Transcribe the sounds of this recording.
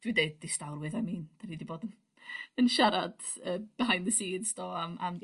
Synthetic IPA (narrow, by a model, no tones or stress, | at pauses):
d̥ɨdejd̚distawrwɪðajmiːnd̥aniːdiboːdən | ənʃaɾad̥əːb̥əɦajnðəsiːdzd̥ɔːama̰m